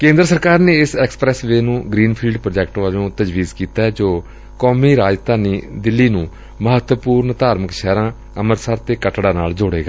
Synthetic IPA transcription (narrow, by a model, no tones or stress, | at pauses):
kẽːnd̪ɾəsəɾkaːɾneːɪsɛːksə̥pɾɛːsʋeːnũːɡɾiːnpʰiːɖpɾoːd͡ʒɛːk̚ʈʋaːd͡ʒõːt̪əd͡ʒʋiːzkiːt̪aːɛd͡ʒoː | kɔːmiːɾaːd͡ʒt̪aːniːd̪ɪlːiːnũː | məɦət̪wəpuːɾɳt̪aːɾməkʃɛːɾãː | əməɾsəɾt̪eːkəʈɽaːnaːld͡ʒoɽḛːɡaː